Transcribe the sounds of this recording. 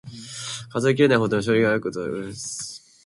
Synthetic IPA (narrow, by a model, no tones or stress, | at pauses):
kazoik̬ʲiɾenaiɦod̪onaɕ̬oɾʲiɡajokɯt̪o̰os